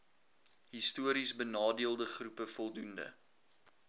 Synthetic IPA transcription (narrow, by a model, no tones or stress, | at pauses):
ɦistuəɾisbənɑːdiəlˠdəχrupəfɔlˠdundə̰